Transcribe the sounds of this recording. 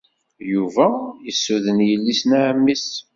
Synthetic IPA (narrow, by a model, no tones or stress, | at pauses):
juvæjəsːuðənjəlːisnaʕəmːis